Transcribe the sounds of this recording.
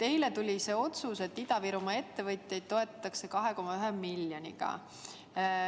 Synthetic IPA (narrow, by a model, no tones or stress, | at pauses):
t̪e̞jle̞t̪ulʲise̞ːo̞t̪suse̞t̪ːˑid̪ɑviɾumɑe̞t̪ːe̞vɤt̪ʲˑjɑjd̪̥̚t̪o̞e̞t̪ːˑɑ̥t̪ːˑɑkse̞kɑɦe̞ko̞mɑyɦe̞mːilʲjonʲḭɡ̥ɑ̰